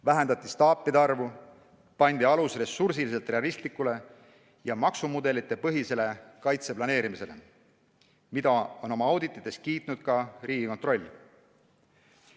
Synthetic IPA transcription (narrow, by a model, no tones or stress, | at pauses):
væɦe̞nd̪̥ɑt̪ːˑi̥st̪ɑːpːˑid̪eɑrvu | pɑnʲd̪̥iɑlusre̞sursilis̬e̞lt̪ˑreɑlist̪likːˑule̞ | jɑmɑksumud̪e̞lit̪ˑːe̞pɤɦise̞le̞kɑjt̪se̞plɑne̞ːɾimise̞̰le̞ | mid̪̥ɑo̞no̞mɑɑwd̪it̪ːˑit̪ːˑe̞s̚kiːt̪nud̪̥̚kɑriːɡ̥iko̞nt̪ro̞lʲːi